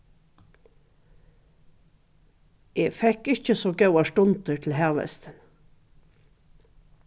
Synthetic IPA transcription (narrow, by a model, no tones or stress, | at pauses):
ʔeːfɛkɪçəsoːɡɑʉɑʃʈʊnt̪əʈʰl̩hæːʋɛ̰st̪ən